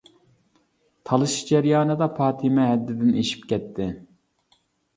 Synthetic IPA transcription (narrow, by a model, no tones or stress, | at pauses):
t̪ʰɑlˠɨʃd͡ʒɛɾjɑːnɨd̪ɑpʰɑːt̪ʰimɛɦɛd̪ːɪd̪ɪneʃi̥pkʲʰɛt̪ʰːɪ